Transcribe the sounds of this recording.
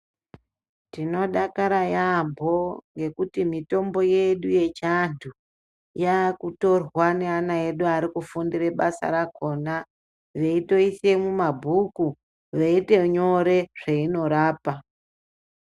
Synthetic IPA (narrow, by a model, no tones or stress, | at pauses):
tino̞ɗakaɾajambʱo̞ŋɡe̞kutimito̞mbo̞je̞ɗuje̞t͡ʃantʰu | jakuto̞rwane̞anae̞ɗuaɾikufundire̞ɓasa̰ɾako̞na | ʋe̞ito̞ise̞mumabʱuku | ʋeite̞ɲo̞ɾe̞ʐ̥eino̞ɾaːpa